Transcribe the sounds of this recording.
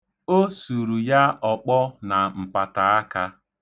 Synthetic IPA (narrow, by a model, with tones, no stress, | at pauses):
o˦su˨ɾu˨ja˦ɔ˨k͡pɔ˦na˨m̩˨pa˨ta˨a˦ka˦